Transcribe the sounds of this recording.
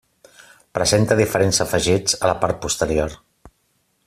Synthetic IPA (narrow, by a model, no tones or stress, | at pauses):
pɾəzent̪əðifəɾenzəfəʒid͡zələpaɾt̪̚pust̪əɾior